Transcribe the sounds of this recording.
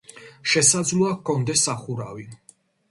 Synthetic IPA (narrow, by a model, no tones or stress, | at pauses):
ʃɛsad̪zluakʰɔnd̪ɛsːaχuɾavi